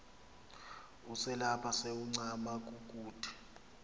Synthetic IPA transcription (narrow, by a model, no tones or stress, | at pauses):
usɛlapʰaseuŋ͡ǀamak̬ʼukʼuːd̥ʰʱʼi̥